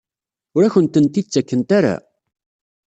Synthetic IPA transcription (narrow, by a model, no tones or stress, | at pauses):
ʊɾæçənt̪ənt̪ːid̪t͡sːækːənt̪aɾa̰